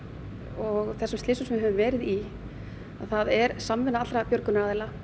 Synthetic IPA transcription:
ɔɣθɛsʏmslɪːsʏsmɪɦɛvʏmvɛːɾɪði | aðθaðɛɾ̥samvɪnaat̪ɾapjœɾkʏnaɾaːðɪla

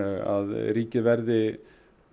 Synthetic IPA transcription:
a̰ðɾiːcəʋɛɾðɪ

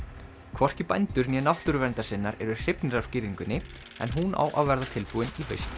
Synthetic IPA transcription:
kʰvɔr̥cɪpajnt̪ʏɾnjɛnaft̪ʏɾʏvɛnt̪asɪnːaɾɛɾʏr̥ɪpnɪɾaɾ̥scɪːviŋkʏnːɪ | ɛ̰nɦuna̰ːwʔa̰wvɛɾðat̪ʰɪlpuðɪnivœ̰jst̪

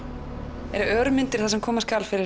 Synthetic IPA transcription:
ɛ̰ɾœɾmɪnt̪ɪɾ̥θasɛmkʰɔːmaskalfɪɾɪ

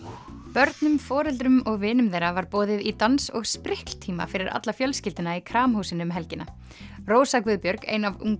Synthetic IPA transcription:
pœɾt̪nʏmfɔːɾɛlt̪ɾʏmɔɣvɪːnʏmðeːjɾavaɾpɔːðɪðit̪ansɔɣspɾɪhkl̥t̪ʰiːma̰fɪɾɪɾa̰t̪lafjœlscɪlt̪ɪnaikʰɾaːmhuːsɪnʏmɦɛlcɪnːa | roːwsakvɪðpjœɾkḛːjnavṵŋ

